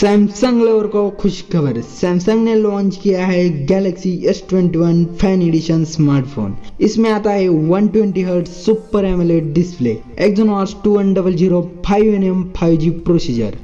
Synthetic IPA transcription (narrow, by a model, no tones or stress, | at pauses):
sɛːmsɐ̃ŋɡleːʋɾkokʰʊʃkʰɐbəɾsɛ̃ːmsɐ̃ŋɡnelɔ̃ːnt͡ʃkijaɦɛɡɛːleksiesʈwẽɳʈiʋɐnpʰɛːneɖiʃənsmaːɾʈpʰo̰ːnɪsmẽaːt̪aɦɛʋɐnʈwẽɳʈiɦəɾɖsupːəɾemeleʈɖɪsplḛ | ekzonaːɾsʈuːʋɐnɖɐbəld͡ʒiːɾopʰaːjʋenempʰaːjʋd͡ʒiːpɾoːsiːd͡ʒə̰ɾ